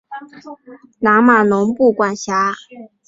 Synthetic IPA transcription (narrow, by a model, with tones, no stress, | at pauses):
na˧˥ma˨˩nʊ˧˥ŋpu˥˩kwa˥˩nɕja˧˥